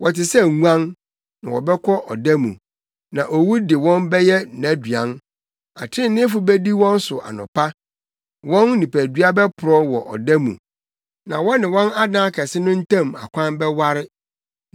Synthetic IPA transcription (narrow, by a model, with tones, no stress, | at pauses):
wɔ˨tɪ˨sɛ˦ŋu˦ã˦n | nã̰˨wɔ̰˨bɛ˦kʰɔ˦ʔɔ˨dæ˦mṵ̃˨ | nã˨ʔɔ˨wu˦dɪ˨wɔ̃˦nbɛ˦jɛ˦˨na˦dɥã˦n | a˨tʰɪ̃˦nnɪ̃˦fʊ˨bɛ˦di˦wɔ̃˦n˦sʊ˨ʔa̰˨nʊ̰̃˨pʰa˦ | wɔ̃˦nːĩ˨pʰæ˨dɥa˦bɛ˦pʰʊ˨ɾɔ˦wɔ˨ʔɔ̰˨dæ˦mṵ̃˨ | nã˨wɔ˦nɪ̃˨wɔ̃˦na˦dã˦a˦kʰɛ˨sɪ˦nʊ̃˦n̩˦tʰã˦ma̰˨kʷʰã˦nbɛ˦wa˦ɾɪ˦